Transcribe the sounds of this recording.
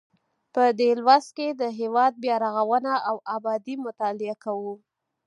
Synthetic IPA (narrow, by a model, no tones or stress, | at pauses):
pəd̪elwasked̪əɦewɑd̪̚bjɑɾaɣawənaawabɑd̪imʊt̪ɑlɪakawu